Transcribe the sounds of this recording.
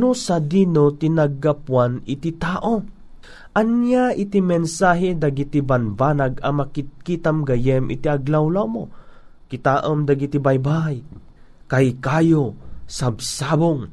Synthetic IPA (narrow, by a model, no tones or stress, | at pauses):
nʊsad̪inot̪inaɡapwanɪt̪it̪aːʔo | ʔɐnjaʔit̪imɛnsaːɦɛd̪aɡit̪ibanbanaɡɐmakit̪̚kit̪amɡajɛmʔɪ̰t̪iaɡlawlawmokɪt̪aːʔəmd̪aɡit̪ibajbaj | kajkaːjosabsaboŋ